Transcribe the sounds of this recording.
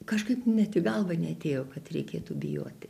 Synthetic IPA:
kɐʃkɐɪpnʲɛt̪ʲɪɡɐlˠʋɐnʲɛɐt̪ʲeːjoːkɐt̪rʲɛɪkʲeːt̪ubʲɪjo̰ːt̪ʲɪ

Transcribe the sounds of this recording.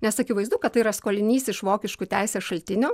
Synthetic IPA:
nʲɛsɐkʲɪʋɐɪzd̪uːkɐt̪t̪ɐɪiɾɐskoːlʲɪnʲiːsʲɪʃʋoːkʲɪʃkuːt̪ʲæɪsʲeːʃɐlʲt̪ʲɪnʲoː

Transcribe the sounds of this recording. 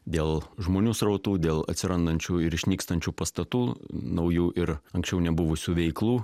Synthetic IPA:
d̪ʲeːlˠʒmoːnʲuːsɾɐʊt̪uːd̪ʲeːlˠɐ̰t̪ʲsʲɪɾɐnd̪ɐnʲt͡ʃʲuːɪɾɪʃʲnʲiːkst̪ɐnʲt͡ʃʲuːpɐst̪ɐt̪uːnɐʊjuːʔɪɾɐŋksʲt͡ʃʲɛʊnʲɛbʊʋʊsʲuːʋʲɛɪklˠuː

